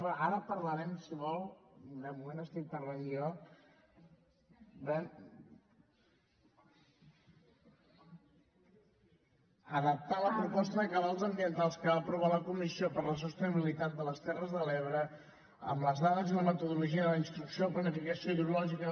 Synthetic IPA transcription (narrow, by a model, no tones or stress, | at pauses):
əʔaɾəpəɾləɾɛmsiβɔlˠd̪əmumenəst̪int̪əɾβənijo | d̪ə | əðəp̚t̪aləpɾupɔst̪əðəkəβalˠzəmbiənt̪alˠskəβapɾuβ̞aləkumisiopəɾləs̬ust̪əniβilit̪at̪̚d̪ələst̪ɛrəzðəlɛβɾə | ə̰mləzðaðəzðuləmət̪uðuluʒiəðələinst̪ɾuksioplənəfikəsioiðulɔʒikə